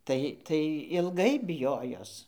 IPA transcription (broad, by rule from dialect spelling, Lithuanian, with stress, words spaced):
ˈtɐɪ ˈtɐɪ ɪlˠˈɡɐɪ bʲɪˈjoːjoːs